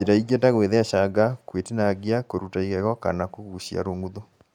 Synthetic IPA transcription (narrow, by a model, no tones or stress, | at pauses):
eɾaiɣetaɣweðɛaʃaɡakwetenaɣjakoɾutaiɣɛɣɔka̰nakoɣuɕja̰ɾoːŋɡuðo